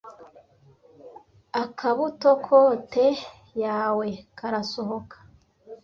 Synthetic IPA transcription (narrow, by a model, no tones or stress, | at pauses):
akʰaβuto̞kʰote | jaːwe̞kʰaɾaso̞ɦo̞kʰḁ